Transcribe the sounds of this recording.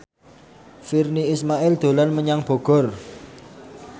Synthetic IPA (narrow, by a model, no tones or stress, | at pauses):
firniismaʔɪld̪̥o̤lanməɲaŋb̥o̤ɡ̥ɔ̤r